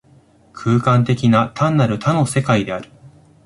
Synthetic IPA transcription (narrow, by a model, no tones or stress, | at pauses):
kʰɯ̟ːkãnt̪e̞kʲinat̪ʰãnːaɾɯ̟t̪ano̞se̞kaid̪e̞aɾɯ̟